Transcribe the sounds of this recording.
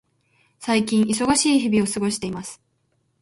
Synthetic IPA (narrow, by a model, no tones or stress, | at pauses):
saikʲĩɰ̃ʔisoɡaɕiːçibʲio̞sɨɡo̞ɕi̥t̪e̞imasɨ̥